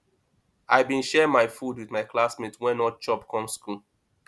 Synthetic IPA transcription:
aɪbĩnʃɛmaɪfud̚wiðmaɪkʰlasmitwɛ̃nɔt͡ʃɔpkʰɔ̃msku

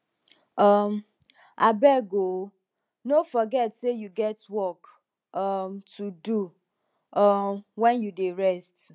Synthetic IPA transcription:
ɔm | abɛɡo | nofɔɡɛtsejuɡɛtwɔk | ʌmtʰudu | ɔmwɛ̃njudeɹɛst

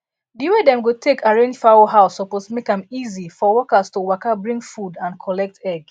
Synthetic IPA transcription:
diwedɛ̃mɡotʰekʰaɹẽnd͡ʒfawoɦaʊsɔposmekãmizifɔwɔkastuwakabɹĩŋfudãnkʰɔlɛk̚tɛɡ

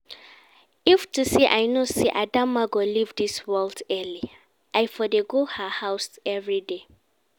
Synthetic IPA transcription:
iftusiʔajnosiʔadãmːaɡolivdiswɛldɛli | ʔajfɔdeɡohahaʊsɛvɹide

